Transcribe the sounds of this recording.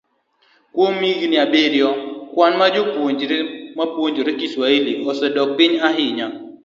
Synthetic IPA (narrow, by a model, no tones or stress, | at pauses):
kwomiɡinɪabeɾjɔkwanmad͡ʒopoɲd͡ʒmapwoɲd͡ʒoɾekiswailiʔɔsɛdɔk̚pɪɲaɦɪɲa